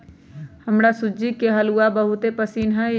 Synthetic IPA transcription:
həmɾasʊd͡ʒikeɦəluabəɦʊt̪epəsiːnɦɛ

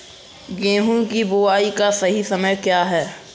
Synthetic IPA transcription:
ɡẽːɦũkiboːaːikasɐɦisɐməjkjaːɦɛː

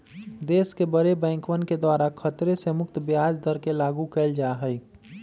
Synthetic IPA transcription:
d̪eːskebəɾebɛ̃ːŋkʋənked̪waːɾakʰət̪ɾesemʊk̚t̪bjaːd͡ʒd̪əɾkelaːɡukɛld͡ʒaːɦəj

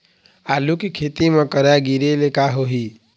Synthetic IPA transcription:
aːlukikʰeːt̪imẽkəɾaɡiɾelekaɦoɦi

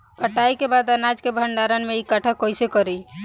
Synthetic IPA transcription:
kəʈajkebad̪ənad͡ʒkebʱəɳɖaɾənmeikəʈʰəkːojsekəɾij

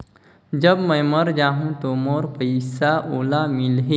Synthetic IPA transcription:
d͡ʒəbmɛ̃məɾd͡ʒaːɦũt̪omoːɾpəɪsaʔoːlamɪlɦe

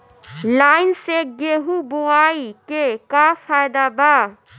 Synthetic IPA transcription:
laːɪnseɡeɦuboaːikekafʰaːjd̪aba

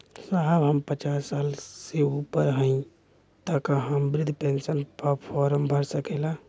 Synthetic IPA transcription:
saabɦəmpət͡ʃaːsːaːlseupəɾɦə̃ĩ | t̪akaɦəmbɾɪd̪ʱpẽnsənpəpʰɔːɾəmbʱəɾsəkela

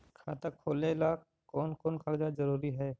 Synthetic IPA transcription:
kʰaːt̪əkʰoːlelaː | kɔːnkɔːnkʰakd͡ʒazəɾuːɾiɦɛː

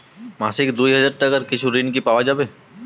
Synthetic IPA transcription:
maːsɪkd̪uːiɦɐd͡ʒəɾʈəkəɾkɪt͡ʃʰuɾinkipaːʋad͡ʒabẽː

